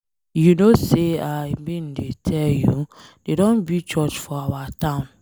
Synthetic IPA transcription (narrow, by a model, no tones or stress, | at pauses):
junoseajbĩn̩detʰɛljudedɔ̃nbit͡ʃɔt͡ʃfɔawatãʊ̃n